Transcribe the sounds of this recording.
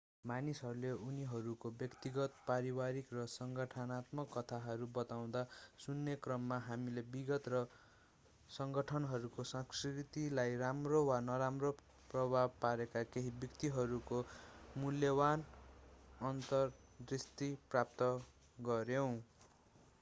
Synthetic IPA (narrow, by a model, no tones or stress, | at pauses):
manisɦʌɾuleuniɦʌɾukobjʌkt̪iɡʌt̪paɾiwaɾikrʌsʌŋɡʌʈʰʌnat̪mʌkːʌt̪ʰaɦʌɾubʌt̪aw̃d̪asunːekrʌmːaɦamilebiɡʌt̪rʌ | sʌŋɡʌʈʰʌnɦʌɾukosʌ̃skrit̪ilajramrowanʌɾamro | prʌbʱab̚paɾekakeɦibjʌkt̪iɦʌɾukomuljʌban | ʌnt̪ʌrd̪rist̪iprap̚t̪ʌ | ɡʌɾjow̃